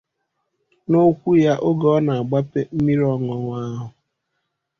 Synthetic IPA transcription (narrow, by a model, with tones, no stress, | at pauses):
no˦kʷu˦ja˦ʔo˦ɡɔ˦na˨a˨ɡ͡ba˦pe˦m̩˦mi˦ɾɔ˦ŋɔ˨ŋʷa˦ɦʊ˨